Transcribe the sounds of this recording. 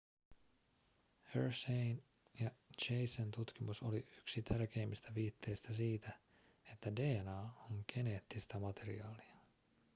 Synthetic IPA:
heɹsejnjɑt͡ʃejsent̪ut̪k̟imuso̞liyksit̪ʰærk̟e̞ːmːist̪æʋiːt̪ʰːe̞jst̪æsiːt̪æ | e̞t̪ːæde̞ːnɑːoŋke̞ne̞ːt̪ːist̪ɑmɑt̪e̞ɾḭɑːliɑ

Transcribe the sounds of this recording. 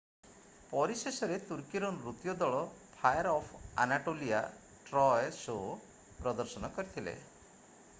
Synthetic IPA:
pɔɾisesɔɾet̪uɾkiɾɔnɾut̪jɔd̪ɔɭɔpʰajɔɾɔpʰa̰naʈolia | ʈɾɔjso | pɾɔd̪ɔɾsɔnɔkɔɾit̪ʰilḛ

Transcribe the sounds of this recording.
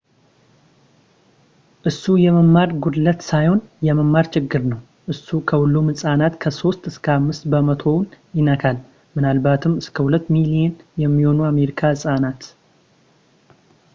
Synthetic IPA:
ʔɨsːujɛməmːaɾɡud̪lət̪sajho̞njɛməmːaɾt͡ʃɪɡːɨɾnəw | ʔɨsːukʰəhʊlːumɨsʼanat̪kʰəso̞st̪ɨskʰəamːɨst̪bəmət̪ʰo̞njɪnəkʰal | mɨnalbat̪ʰɨmɨskʰəhulət̪ːmilijenjɛmːiho̞nuame̞ɾikʰaɨsʼanat̪

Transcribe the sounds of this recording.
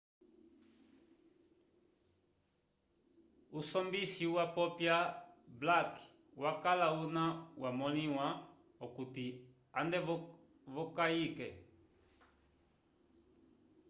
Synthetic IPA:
usɔmbiʃiwapɔpjablak | wakalaunawamɔniwa | ɔkuti | andɛ | vɔkaikɛ

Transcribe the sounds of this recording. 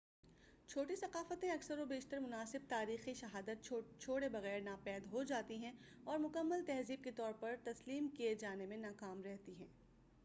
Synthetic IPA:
t͡ʃʰoːʈisɐqaːfət̪ẽɐksəɾobeːʃt̪əɾmʊnaːsɪb̚t̪aːɾiːxiʃɐɦaːd̪ət̪̚t͡ʃʰoːɽebɐɣɛːɾnaːpɛːd̪ɦod͡ʒaːt̪iɦɛ̃ɔːɾmʊkəmːəlt̪ɛɦziːb̚ket̪ɔːɾpɐɾt̪ɐsliːmkied͡ʒaːnemẽnaːkaːmɾɛɦt̪iɦɛ̃ː

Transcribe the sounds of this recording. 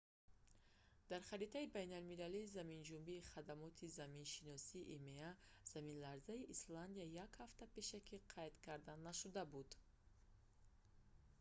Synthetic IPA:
d̪̥aɾχaɾit̪ʰaibajnalmilaliːzamind͡ʒumbiːχad̪amɔt̪ʰizaminʃinɔsiːʔimeaz̥aminlaɾzaiʔisland̪iajakhaft̪ape̞ʃakʰiqʰajd̪kʰaɾd̪anːaʃud̪abud̪

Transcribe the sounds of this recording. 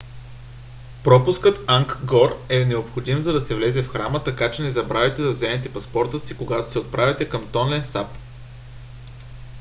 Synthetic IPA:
pɾɔpʊskɤt̪aŋkɡɔɾɛnɛopxod̪imzɐd̪ɐsɛvlɛzɛfxɾamət̪ɐkat͡ʃɛnɛzɐbɾavɛt̪ɛd̪ɐzɛmɛt̪ɛpɐspɔɾt̪əsikoɡat̪o̥sɛot̪̚pɾavɛt̪ɛkɐmt̪ɔnlɛnsap

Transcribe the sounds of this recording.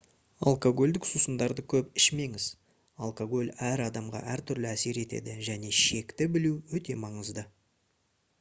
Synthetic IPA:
a̰lˠkoɡo̞lʲd̪ɪksusənd̪ɑɾd̪əkʲʰɵpɪʃme̞ŋɪz | ɑalˠkoɡo̞lʲæɾɑd̪ɑmʁɑ̰ʔæɾt̪ʰʏɾlɪæse̞ɾe̞t̪e̞̰d̪ɪʒæne̞ʃe̞kt̪ɪbɪluwɵt̪e̞mɑɴəzd̪ə

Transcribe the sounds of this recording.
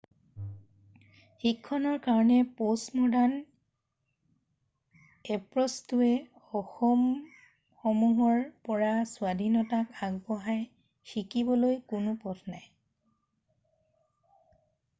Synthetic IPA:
xikʰːɔnɔɹkaɹɔnɛposmɔdan | ɛpɹɔstuɛ | ɔxɔm | xɔmuɦɔɹpɔɹasʊadʱinɔtakaɡ̚bɔɦaj | xikibɔlojkʊnʊpɔtʰnaj

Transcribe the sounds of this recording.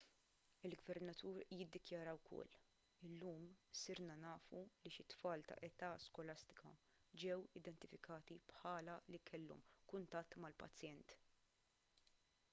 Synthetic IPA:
ɪlɡvɛɾnɐt̪ʰuːɾjɪd̪ːɪkjɐɾɐwkʰɔ̰lː | ɪlːuːmsɪɾnɐnɐːfuliʃɪt̪fɐːlt̪ɐ̰ʔɛt̪ɐskɔlɐst̪ɪ̥kɐ̰ | d͡ʒɛwɪd̪ɛnt̪ɪfɪkɐːt̪ipħɐːlɐlikʰɛlːɔ̰mkʊnt̪ɐt̪ːmɐlpɐ̰t͡sːjɛnt̪

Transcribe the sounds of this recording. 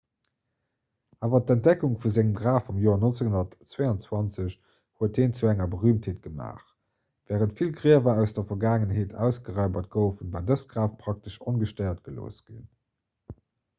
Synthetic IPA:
ʔaːvɐt̚æntd̥ɛkuŋfuzæŋəmɡʁaːfumjoːɐnont͡səhundɐtt͡sweɑnt͡swɑnt͡səɕ | huət̚deːnt͡suæŋɐbəʁyːmtheːt̚ɡ̥əma̰ːχ | vɛːʁəntfilɡʁiəvɐæʊsd̥ɐfɐɡaːŋənɦeːtʰæ̰ʊsɡ̥əʁɑɪbɐt̚ɡ̥oʊfənvaːdəsɡ̥ʁaːfpʰʁ̥ɑk̚təʃonɡəʃtɑɪɐt̚ɡ̥əlo̰ːsɡ̥ḭn

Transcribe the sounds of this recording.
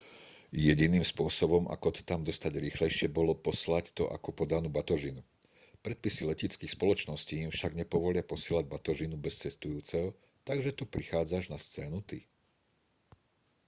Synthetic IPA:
jɛɟiniːmspʊɔsɔbɔmʔa̰kɔt̪ɔ̥t̪amd̪ɔst̪aɟɾiːxlɛjʃɪɛbɔlɔpɔslact̪ɔ̰ʔa̰kɔpɔd̪anuːbat̪ɔʒinu | pɾɛt̪̚pisilɛcit͡skiːxspɔlɔt͡ʃnɔsciːimfʃaɡɲɛpɔʋɔlɪapɔsɪɛːlaɟ̚bat̪ɔʒinubɛst͡sɛst̪ujuːt͡sɛɦɔ | t̪aɡʒɛt̪upɾixaːd͡zaʒnast͡sɛːnut̪i

